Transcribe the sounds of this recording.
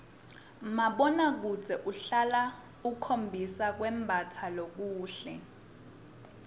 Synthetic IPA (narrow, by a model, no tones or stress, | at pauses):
maɓɔnak̬uzʱɛʔuɬala | ukʰombʱisak̬wɛmbʱatʰalok̬uːɬɛ